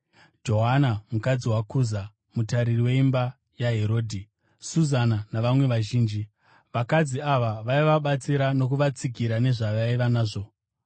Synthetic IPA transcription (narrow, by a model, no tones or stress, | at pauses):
d͡ʒo̞ɦanamukad͡ziwakuza | mutaɾiriwe̞imba | jaɦe̞ɾo̞ːdʱi | suzananaʋamwe̞ʋaʒiːnd͡ʒi | ʋakad͡ziaʋaʋaiʋaɓat͡siɾano̞kuʋat͡siɡʱiɾane̞ʐaʋaiʋanaːʐo̞